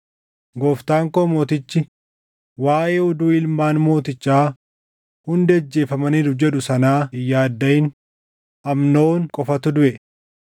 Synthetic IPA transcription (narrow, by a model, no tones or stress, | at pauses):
ɡoːft̪aːŋkoːmo̞ːt̪ɪt͡ʃːɪ | waːʔe̞ːɔd̪uːɪlmaːnmo̞ːt̪ɪt͡ʃːaː | hʊnd̪ɛd͡ʒːe̞ːfɐmɐniːd̪ʊfd͡ʒɛᶑʊsɐnaːɪjːaːd̪ːɐjɪn | ʔɐmnoːnkʼɔfɐt̪ʊd̪ʊʔɛ